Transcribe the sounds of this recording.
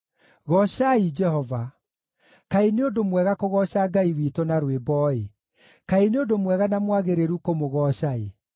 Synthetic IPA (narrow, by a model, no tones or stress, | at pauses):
ɣɔɕaid͡ʒɛhɔva | kaeneodomwɛɣakoɣɔʃaɡaiwitɔnaɾwebɔːe | kaeneodomwɛɣanamwaɣeɾeɾukomoɣɔɕae